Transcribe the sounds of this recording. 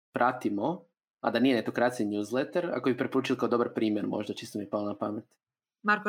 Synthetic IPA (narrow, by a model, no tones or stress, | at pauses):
pɾʔat̪imo | a̰d̪anijenet̪okɾat̪siinjuːzlˠet̪aɾa̰ko̞bipɾepo̞ɾuːt͡ʃilˠkaod̪o̞baɾpɾiːmjeɾmo̰ʒd̪at͡ʃist̪omipalˠonapamet̪ | maɾko